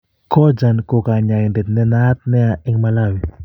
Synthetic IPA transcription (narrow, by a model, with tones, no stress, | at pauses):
kʰɔ˦d͡ʒa˨nko˨ka˨ɲa˨nde˨t̪nɛ˦na˦t̪̚nɛ˦a˨ʔɪ˦ŋma˦la˦wi˨